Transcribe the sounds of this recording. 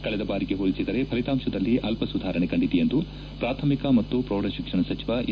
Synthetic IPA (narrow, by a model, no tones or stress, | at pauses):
kɐɭɛd̪ɐbaːɾiɡe̞ɦolisid̪ɐɾe̞pʰɐlit̪aːmʂɐd̪ɐlːiʔɐlpɐsud̪ʱaːɾɐɳekɐɳɖit̪ijɐnd̪u | pɾaːt̪ʰɐmikɐmɐt̪ːupɾoːɽɐʃikʂɐɳɐsɐt͡ʃiʋɐʔ